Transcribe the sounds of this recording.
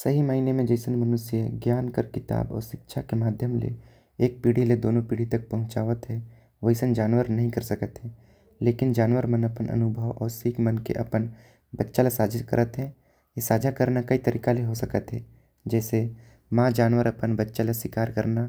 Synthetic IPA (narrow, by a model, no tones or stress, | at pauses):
sɐɦiməɦinemẽd͡ʒəɪsənmənʊsjəɡjaːnkəɾkɪt̪a̰ːbɔ̰ːɾʃɪkʃʰakemaːd̪ʱjəmlḛ | eːk̚piːɽiled̪oːnõpiːɽ̤it̪ɐk̚pɐɦʊ̃t͡ʃaːʋət̪ɦɛ | ʋəɪsənd͡ʒaːnʋəɾnɐɦĩkɐɾsəkət̪ɦɛ̃ | leːkɪnd͡ʒaːnʋəɾmənɐpənʔɐ̰nʊbʱəʋɔːɾsiːkmənkḛʔɐpən | bɐtːʃalasaːd͡ʒʱakɐ̰ɾʔət̪ɦɛ | jesaːd͡ʒʱakɐɾnakɐit̪ɐɾʔiːkaleɦosɐkət̪ɦɛ̰ː | d͡ʒɛːse | mãːd͡ʒaːnʋəɾɐpənbətːʃaleswɪkaːɾkəɾna